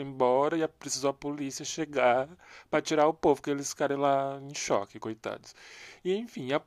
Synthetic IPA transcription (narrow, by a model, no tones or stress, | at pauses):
ẽbɔɾɐɪɐpɾesizowɐpolisiɐʃeɡapɾɐt͡ʃiɾaʊpovʊkɪelɪsfi̥kaɾẽj̃laẽj̃ʃɔ̰kɪkojt̪a̰d̪ʊ̥sɪẽj̃fĩj̃ɐ